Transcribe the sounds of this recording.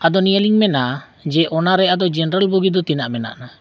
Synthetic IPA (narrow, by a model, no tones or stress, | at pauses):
ad̪ɔnijəliŋmɛna | d͡ʒɛʔɔnaɾɛad̪ɔd͡ʒɛnɾəlbuɡid̪ɔt̪inaʔmɛna̰ʔna